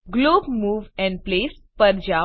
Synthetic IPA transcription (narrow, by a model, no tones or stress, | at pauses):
ɡloːbmuːʋɛ̃ɳɖ̚pleːspəɾd͡ʑa